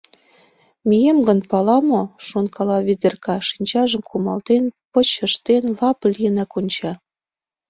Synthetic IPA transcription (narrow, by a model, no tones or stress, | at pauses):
mʲijemɡə̆npɑlɑmoʃonkɑlɑβʲid̪ʲerkɑʃinʲt͡ɕɑʒə̆mkumɑlt̪enpɤ̆t͡ɕə̆ʃt̪enlɑplʲijənækonʲt͡ɕɑ